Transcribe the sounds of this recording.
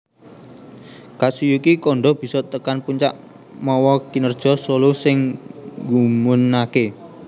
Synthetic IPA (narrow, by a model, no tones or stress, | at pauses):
kaʔsujukikɔɳɖɔb̥i̤sɔt̪əkanpuɲt͡ʃa̰ʔ | mɔwɔkinərd̥ʒ̥ɔ̤solusɪŋɡumʊnake